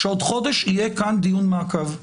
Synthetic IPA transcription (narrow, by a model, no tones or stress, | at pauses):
ʃeod̪χod̪eʃijekand̪ijunmakav